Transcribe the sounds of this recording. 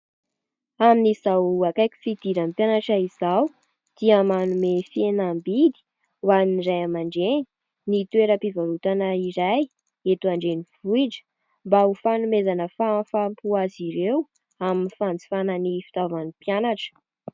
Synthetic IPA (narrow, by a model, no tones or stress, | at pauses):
aminizawakajkʲi̥fid̪̥iɾampjanaʈ͡ʂaiz̥aw | d̪̥iəmanumefienambid̪i̥ | waniniɾajamaɳɖ͡ʐeni̥ | nit̪ueɾəpivaɾut̪anəiɾaj | et̪uaɳɖ͡ʐeniv̥uiɖ͡ʐə̥ | mbaufanumezanəfafampuaziɾew | aminifand͡zi̥fanənifi̥t̪avanipjanaʈ͡ʂə̥